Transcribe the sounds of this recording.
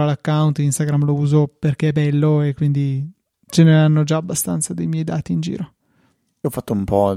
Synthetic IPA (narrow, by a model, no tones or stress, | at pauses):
alakːawnt̪inst̪aɡɾamlouːzoperk̟eɛbɛlːoekːwind̪i | t͡ʃeneanːod͡ʒaːbːast̪a̰nt̪sad̪ejmjɛjd̪a̰ːt̪iːnd͡ʒḭːɾo | ɔfat̪ːoumpɔ